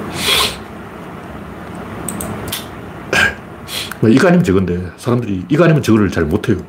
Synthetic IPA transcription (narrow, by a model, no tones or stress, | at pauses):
maiɡaɲimɯnt͡ɕeɡɯnde̞sʰaɾamndɯɾiiɡaɲimɯnt͡ɕɯɡɯɾɯɭt͡ɕaɭmotʰe̞jo